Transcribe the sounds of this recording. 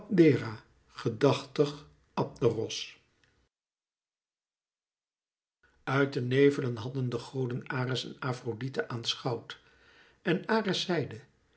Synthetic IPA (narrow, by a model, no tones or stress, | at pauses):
dɪːraː | χədɑχtəχ | ɑp̚dərɔs | œɥt̚dənejvələnɦɑdəndəχowdənaːrəsɛ̰naːfroditəʔaːnsχɑwt | ɛnaːrəsɛjdə